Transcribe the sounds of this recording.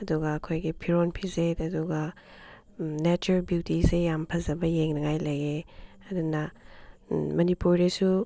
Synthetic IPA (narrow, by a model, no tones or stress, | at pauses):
ɐduɡɐːkʰojɡipʰiɾonpʰizetɐduɡɐ | net͡ʃuɾelbjuwtisejampʰɐzɐbɐjeŋnɐŋajlɐje | ɐdunɐ | mɐnipuɾdesu